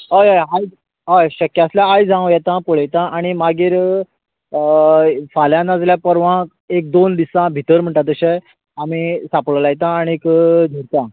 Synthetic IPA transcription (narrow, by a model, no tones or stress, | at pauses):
ɦəjajɦaj | ɦajɕəkjasljaajd͡zʱãjɛt̪ãpoɭəjt̪ãaɽ̃imaɡiːɾ | faljãnad͡zljapəɾʋã | ek̚d̪ond̪isãbʱit̪əɾm̤əɳʈat̪̬əɕɛ | am̤iːsapɭəlajt̪ãːɽ̃iekd͡zʱəɽt̪ã